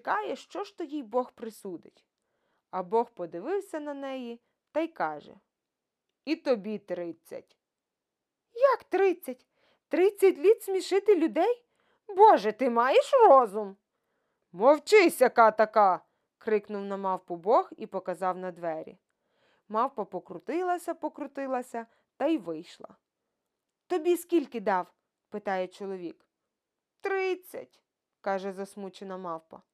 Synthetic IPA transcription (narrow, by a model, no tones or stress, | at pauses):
kɑjɛʃt͡ʃɔʃt̪ɔjijbɔxpɾɪsud̪ɪtʲ | ɐbɔxpɔd̪ɪʋɪwsʲɐnɐnɛji | t̪ɐjkɑʒɛ̰ | it̪ɔbʲit̪ɾɪt͡sʲːɐ̰tʲ | jɐkt̪ɾɪt͡sʲːɐtʲ | t̪ɾɪt͡sʲːɐtʲlʲit̪sʲmʲiʃɪt̪ɪlʲʊd̪ɛj | bɔʒɛt̪ɪmɑjɛʃrɔzʊm | mɔwt͡ʃɪsʲjɐkɑt̪ɐkɑ | kɾɪknʊwnɐmɑwpʊbɔxipɔkɐzɑwnɐd̪ʋɛɾʲḭ | mɑwpɐpɔkɾʊt̪ɪlˠɐsʲɐpɔkɾʊt̪ɪlˠɐsʲɐ | t̪ɐjʋɪjʃlˠɐ̰ | t̪ɔbʲiskʲilʲkɪd̪ɑw | pɪt̪ɑjɛt͡ʃɔlˠɔʋʲik | t̪ɾɪt͡sʲːɐ̰tʲ | kɑʒɛzɐsmut͡ʃenɐmɑwpɐ